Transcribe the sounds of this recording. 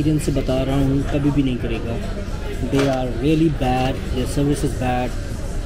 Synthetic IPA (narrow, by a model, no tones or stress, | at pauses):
ɾiə̃nsbət̪aːɾãːnũːkɐbʱibʱinɐɦĩːkɐɾeːɡaː | d̪eːaːɾːiːəlibɛːɖd̪eːsəɾʋɪsɪzbɛːɖ